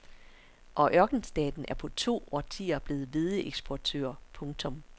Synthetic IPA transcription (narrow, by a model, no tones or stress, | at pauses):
ʔɒ̽ʔɶɐɡ̥n̩sd̥ɛ̰ːd̥n̩ʔæɐpʰɒ̽t͡sʰo̝̰ːɒt͡sʰḭːɐb̥le̝ːð̩ˠʋe̝ðˠəʔeɡ̥sb̥ɒt͡sʰø̰ːɐpʰɔ̽ŋt͡sʰɔ̽m